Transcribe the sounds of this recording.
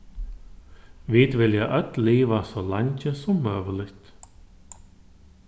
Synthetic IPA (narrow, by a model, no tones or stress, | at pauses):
viːd̪vɪljaʔœt̪liːʋasɔlaɲt͡ɕəsɔmːœːʋəlɪçt̪